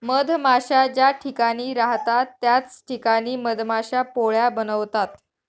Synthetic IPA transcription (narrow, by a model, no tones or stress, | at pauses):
məd̪ʱmaɕad͡ʑjaʈʰikaɽ̃iːɾaɦt̪at̪ːjat͡sʈʰikaɽ̃iːməd̪ʱmaɕapoɭjabənəʋt̪at̪